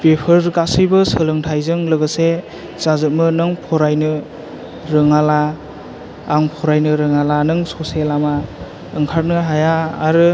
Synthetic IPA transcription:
pepʰɯɾɡasɯjbɯsɯlɯŋtʰajzɯŋlɯɡɯse | z̥azɯt̚mɯnɯŋpʰɔɾajnɯ | ɾɯŋalaː | ŋpʰɔɾajnɯɾɯŋalanɯŋsɔselama | ɯŋkʰaɾ̚nɯɦajaːɾɯ

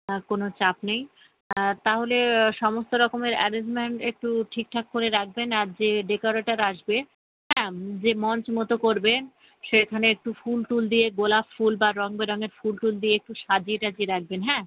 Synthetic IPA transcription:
konot͡ɕapnej | t̪aɦoleʃɔmost̪oɾɔkomeɾɛɾed͡ʑmeɳʈek̚ʈuʈʰik̚ʈʰakːoɾeɾak̚ʰbenaɾd͡ʑeɖekoɾaʈaɾaʃbe | ɦɛ̃d͡ʑemɔnt͡ɕmot̪okoɾben | ʃekʰaneek̚ʈufulʈuld̪ijeɡolabfulbaɾɔŋbeɾɔŋeɾfulʈuld̪ieek̚ʈuʃad͡ʑiʈad͡ʑieɾak̚ʰbenɦɛ̃ː

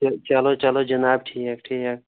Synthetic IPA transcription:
t͡ʃalot͡ʃɐlod͡ʒɐnaːb̚ʈʰiːkɐkʈʰiːkak̚

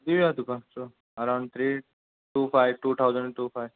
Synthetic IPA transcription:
d̪iʋat̪ukaso | əɾãw̃ɳɖ̚t̪ʰɾiː | ʈuːfajʋʈuːt̪ʰawzə̃ɳɖʈuːfajʋ

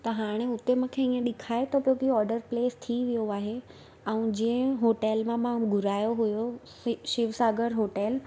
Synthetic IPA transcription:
t̪ɐɦaːɽ̃eʊt̪emʊ̃kʰeiẽɗɪkʰaːet̪opjokiɔːɾɖəɾpleːst̪ʰiʋijoaːɦe | ɛ̃ũd͡ʑĩə̃ɦoːʈɛːlmãmãɡʱʊɾaːjoɦujo | ʃɪʋsaːɡəɾɦoːʈɛl

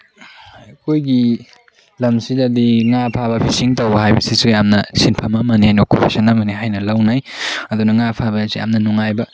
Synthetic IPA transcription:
kʰojɡi | lɐmsidɐdiŋapʰabɐpʰisiŋtowbɐɦajbɐ̰sisujamnɐsinpʰɐmɐmɐnihajnokʰupʰisɐnɐmɐniɦajnɐlɐwnajɐd̪unɐŋapʰabɐsija̰mnɐnuŋajbɐ

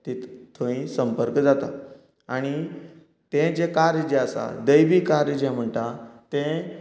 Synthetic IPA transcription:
t̪it̪t̪ʰõĩsəmpəɾkd͡zat̪a | aɽ̃i | t̪ẽd͡ʑekaɾd͡ʑeəsa̰d̪əjʋikaɾd͡ʑɛ̃m̤əɳt̪at̪ẽ

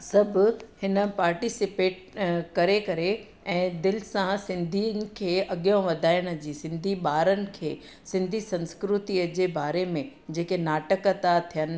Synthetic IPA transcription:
sɐbʱʊhɪnə̆paːɾʈisɪpeːʈ̚ | kɐɾekɐɾe | ɛ̃ːd̪ɪlɪsãsɪ̃nd̪ʱiənɪ̆kʰeːɐɠijõʋɐd̪ʱaːɪɽ̃ə̆d͡ʑiːsɪ̃nd̪ʱiɓaːɾənɪ̆kʰeː | sɪ̃nd̪ʱisɐ̃nskɾʊt̪iəd͡ʑeːbaːɾemẽ | d͡ʑeːkenaːʈəkət̪at̪ʰijənɪ̆

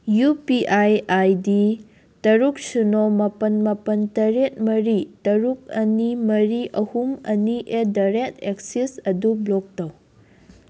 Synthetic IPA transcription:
jupiʔajajdi | tɐɾuk̚sunomɐpɐnmɐpɐntɐɾet̚mɐɾitɐɾuk̚ɐnimɐɾiʔɐhumɐniʔedaɾetʰek̚sisɐdublok̚tɐw

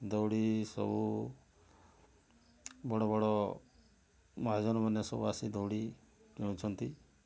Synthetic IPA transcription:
d̪ɔwɽisɔ̰bu | bɔɽɔbɔɽɔ | mɔɦad͡ʒɔnɔmanesɔbuasid̪ɔwɽi | d͡ʒɔɽ̃t͡ʃʰɔnt̪i

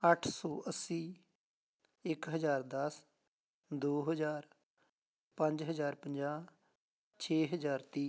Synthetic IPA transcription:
əʈʰsɔːʔəsːiː | ɪkɦəzaːɾd̪əs | d̪oːɦəzaːɾ | pə̃ɲd͡ʒɦəzaːɾpəɲd͡ʒaː | t͡ʃʰeːɦəzaːɾt̪iː

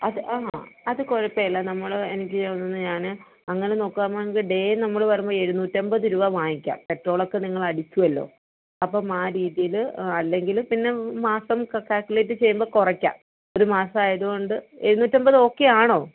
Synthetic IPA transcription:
ɐðɨʔaːɦaɐðɨkoɻɐpːejɐlːɐnɐmːɐɭenikʲːɨt͡ɕeʋɐnːunːɨɲaːnɨ | ɐŋːɐneno̞ːkːaːmaːɳeŋɡilɖe̞ːnɐmːɐɭʋɐɾumboːe̞ɻunːuːtːɐmbɐðɨɾuʋɐʋaːjikʲːa̰ːmpe̞ʈro̞ːɭo̞kːe̞niŋːɐɭɐɽit͡ɕːuʋɐlːo̞̰ː | ɐpːomaːɾiːðijilɐlːe̞ŋɡilpinːe̞maːsɐmkɐkaːlkʲːulet̬ːɨt͡ɕe̞jːumbo̞ːkurɐkʲːa̰ːm | o̞ɾumaːsɐmaːjɐðuɣoɳɖɨe̞ɻunuːtːɐmbɐðɨo̞ːkːe̞aːɳo̞ː

